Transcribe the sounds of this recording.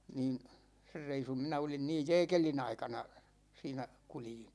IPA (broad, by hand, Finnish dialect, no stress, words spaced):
niːn ser reisum minæ olin niːj jɛːkelin ɑikɑnɑ siːnæ kuljin